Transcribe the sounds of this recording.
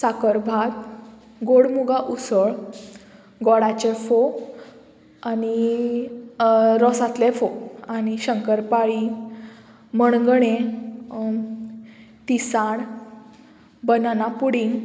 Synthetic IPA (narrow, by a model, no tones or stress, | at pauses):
sakəɾbʱat̪̚ | ɡoɽmuɡaʔusəɭ | ɡɔɽat͡ɕefo | ani | ɾɔsat̪lefoañiɕəŋkəɾpaɭi | məɳ̃ɡɳ̃ẽ | t̪isaɳ | bənanapuɽiŋɡ